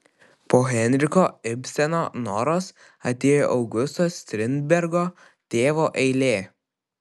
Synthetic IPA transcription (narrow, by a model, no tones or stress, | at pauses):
poːɣʲɛnʲɾʲɪkoːɪpʲsʲɛnoːnɔːɾoːs | ɐt̪ʲeːjo̰ːʔɐʊɡʊst̪oːsʲt̪ʲɾʲɪnʲd̪̚ʲbʲɛɾɡoː | t̪ʲeːʋoːʔɛɪlʲeː